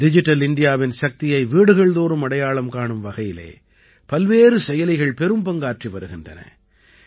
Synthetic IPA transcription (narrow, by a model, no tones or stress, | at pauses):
dɪd͡ʒɪʈːɐlɪɳɖɪjaːʋɪnsɐk̚t̪ɪjɐɪʋiːɽɯɣɐɭd̪oːɾɯmɐɽɐjaːɭɐmkaːɳɯmʋɐɣɐjɪlḛː | pɐlʋeːɾɯsɛjɐlɪɣɐɭpɛɾɯmbɐŋɡaːʈriʋɐɾɯɣɪndrɐ̰nɐ̰